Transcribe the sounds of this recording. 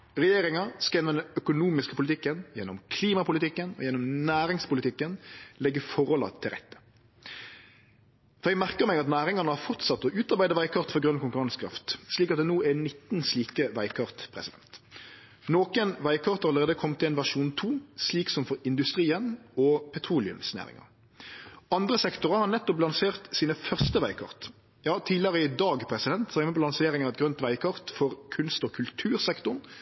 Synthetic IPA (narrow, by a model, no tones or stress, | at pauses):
ʁɛjeːɾɪŋɑskɑjɛnɔmd̪ɛnœkʊnuːmɪskəpʰʊlɪt̪ʰɪkːənjɛnːɔmkʰliːmɑpʊlɪt̪ɪkːənɔ̰jɛnːɔmnæːɾɪŋspʊlɪt̪ʰɪkːənlɛɡːəfɔɾɔlɑ̰t̪ʰɪlɾʁɛ̰t̪ːə̥ | fɔɾjɛɡmæʁkəɾmɛɡɑt̪næːɾɪŋɑnəhɑfɔʁt̪sɑt̪ːɔʔʉːt̪ɑɾbæɪd̪əʋæɪkʰɑʁt̪fɔɾɡɾʉnkʰʊŋkʉɾɑŋskʰɾɑ̰ft̪sliːk̬ɑt̪̚d̪ɛnuːɛnɪt̪ːn̩sliːkəʋæɪkʰɑʁt̪pʰɾɛ̰sɪd̪ɛnt̪ | noːkənʋæɪkʰɑʁt̪ʰɑɾɑləʁeːd̪əkʰɔmt̪ʰːɪlɛːnʋæʂuːnt̪ʰuːsliːksɔmfɔɾɪnd̪ʉst̪ɾiːənɔpʰɛt̪ʰʁuːlɪʉ̰msnæ̰ːʁɪ̰ŋɑ̰ | ɑnd̪ʁəsɛkt̪ʊʁɑhɑʁnɛt̪ːɔplɑnseːʁt̪siːnəfœʁst̪əʋæɪkʰɑ̰ʁt̪ | jɑːt̪ʰiːlɪəʁəɪd̪ɑːɡpʰɾɛsɪd̪ɛnt̪sɔɛməpʰːɔlɑnseːʁɪŋɑɛt̪̚ɡɾœnt̪ʋæɪkʰɑʁt̪fɔʁkʰʉnst̪ɔːkʰʉlt̪ʰʉːɾsɛkt̪ʊn